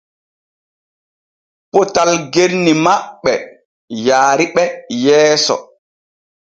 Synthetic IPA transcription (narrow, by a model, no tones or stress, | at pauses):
potalɡeɾnimaɓːɛ | jaːɾiɓɛjɛːsɔ̰